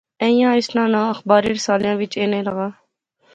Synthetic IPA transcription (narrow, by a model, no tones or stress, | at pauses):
ẽːijãːɪsnãːnãːəxbaːɾiːɾɪsaːljãːʋɪt͡ʃeːnẽːləɣaː